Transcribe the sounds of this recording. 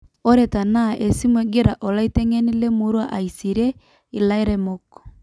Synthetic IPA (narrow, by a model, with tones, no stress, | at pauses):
ɔ˦ɾɛta˨naʔe˨si˦mwɛ˨ɡeɾa˨ʔo˨la˦i˦tɛŋɛne˦le˦moɾwa˦ʔaisi˨ɾɛ | i˨la˦eɾɛmokɔ̥